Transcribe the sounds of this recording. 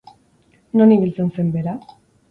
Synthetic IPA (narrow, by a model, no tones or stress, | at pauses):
noniβilt͡sense̞mbeɾa